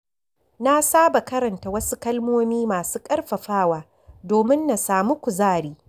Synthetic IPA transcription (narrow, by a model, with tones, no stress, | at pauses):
na˦saː˦ba˨kɐ˦ɾɐ˨nta˨wɐ˦su˦kɐ˦lmoː˦miː˦maː˨suː˦kʼɐ˦rɸɐ˨ɸaː˦waː˨ | doː˨mɪ˦nːa˨saː˨mu˦kʷu˨zaː˦˨ɽiː˦